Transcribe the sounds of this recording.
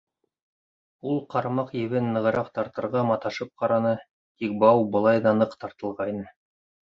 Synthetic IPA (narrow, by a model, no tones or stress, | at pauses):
ulˠqɑɾmɑqjɘ̆βɘnːɤ̆ʁɤ̆ɾɑqt̪ɑɾt̪ɤ̆ɾʁɑmɑt̪ɑʃɤp̚qɑɾɑnɤ | t̪ik̚bɑwbɤ̆lˠɑjd̪ɑnɤqt̪ɑɾt̪ɤ̆lˠʁɑinɤ